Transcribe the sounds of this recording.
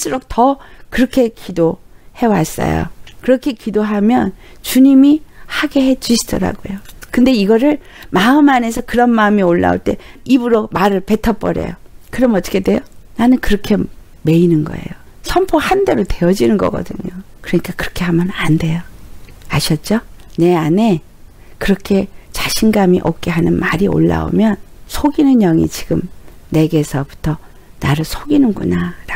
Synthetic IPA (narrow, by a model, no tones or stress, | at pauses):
s͈ɯɾok̚tʌkɯɾʌkʰe̞kidohe̞was͈ʌ̰jo̰kɯɾʌkʰe̞kidoɦamjʌnt͡ɕuɲimihaɡe̞he̞d͡ʑuɕʰi̥d̥ʌɾa̰ɡo̰jokɯnde̞iɡʌɾɯɭ | maɯmane̞sʰʌkɯɾʌnmaɯmioɭːa̰o̰ɭt͈e̞̰ibuɾomaɾɯɭpe̞tʰʌp͈ʌɾḛjo̰kɯɾʌmʌt͈ʌ̥kʰedwe̞jonanɯnkɯɾʌkʰe̞ | me̞inɯnɡʌ̰e̞̰jo | sʰʌmpʰohande̞ɾote̞ʌd͡ʑinɯnɡʌ̰ɡʌ̰dɯ̰ɲo | kɯɾʌɲik͈akɯɾʌkʰe̞hamjʌnande̞joaɕʰjʌt̚t͡ɕ͈one̞ane̞ | kɯɾʌkʰe̞t͡ɕaɕʰinɡamiʔʌp̚k͈e̞ɦanɯnmaɾio̰ɭːa̰o̰mjʌnsʰoɡinɯnjʌŋḭt͡ɕiɡɯm | ne̞ɡe̞sʰʌpu̥tʰʌ | naɾɯɭsʰoɡinɯnɡunaɾa